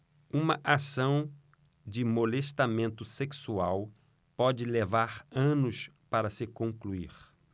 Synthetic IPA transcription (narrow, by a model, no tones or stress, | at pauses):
ũmɐʔasɐ̃w̃ | d͡ʒɪmoleʃt̪amẽnt̪ʊseksuaw | pɔd͡ʒɪlevaɾɐ̃nʊs | paɾɐsɪkõŋkluḭɾ